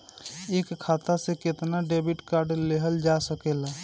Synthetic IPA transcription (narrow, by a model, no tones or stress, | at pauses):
eːkkʰːaːt̪asekɪt̪naɖeːbɪʈkaːɾɖleɦəld͡ʒasəkeːlaː